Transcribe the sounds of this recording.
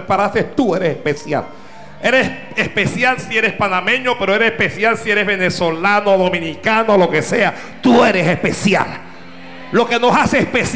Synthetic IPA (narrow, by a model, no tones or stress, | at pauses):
paɾasest̪ue̞ɾesehpesja̰l | e̞ɾes | espe̞sjalsieɾespanamẽ̞ɲo̞peɾoeɾesehpesjalsieɾezβe̞neswo̞lanoðo̞mĩnikanoːlo̞ke̞se̞a | t̪ueɾe̞sespesja̰lː | o̞ke̞no̞saseːspes